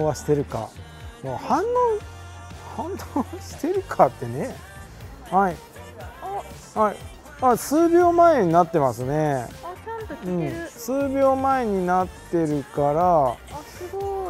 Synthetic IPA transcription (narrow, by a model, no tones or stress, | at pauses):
aɕi̥t̪e̞ɾɯ̟ka̰ | moːhãnːõ | hãnd̪õɕi̥t̪e̞ɾɯ̟kʰat̪ːe̞ne | hai | hai | asɨːbʲo̞ːmae̞ɲ̟inat̪ːe̞masɨne̞ | ɯ̟̃ɴsɨːbʲo̞ːmae̞ɲ̟inat̪ːe̞ɾɯ̟kaɾa